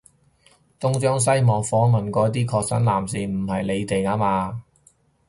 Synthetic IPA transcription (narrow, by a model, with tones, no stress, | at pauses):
t̪ʊ˥ŋt͡ʃɔː˥ŋs̬ɐ˥jmɔː˨kfɔː˨˥ŋmɐ˨nkʷɔː˨˧˥t̪̬iː˥kʰɔː˧k̚sɐ˨˥nlaː˨˩msiː˨˩m̩˨˩hɐ˨jle˨˧jt̪e˨jaː˥maː˧